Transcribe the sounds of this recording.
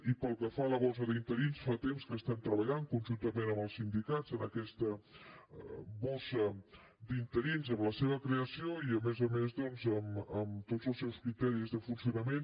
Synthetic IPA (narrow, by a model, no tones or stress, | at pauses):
ipəlˠkəfaləβɔs̬əðint̪əɾinsfat̪emskəst̪ɛmt̪ɾəβəʎaŋkunʲʒunt̪əmenəməlˠsind̪ikazənəkɛst̪ə | βɔsə | d̪int̪əɾinzəmləseβ̞əkɾeəsioiəmezəmezðɔnzəməmt̪odzəlˠsɛwskɾit̪ɛɾizðəfunsiunəmen